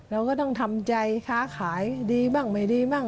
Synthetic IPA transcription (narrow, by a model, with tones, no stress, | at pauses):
ɾa˧wkɔː˥˩t̪ɔ˥˩ŋt̪ʰa˧mt͡ɕa˧jkʰaː˦˥kʰaː˩˦jdiː˧baː˥˩ŋma˨˩jdiː˧maː˥˩ŋ